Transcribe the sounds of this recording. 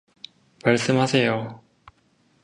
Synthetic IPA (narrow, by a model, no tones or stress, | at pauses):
maɭs͈ɯmɦasʰe̞jo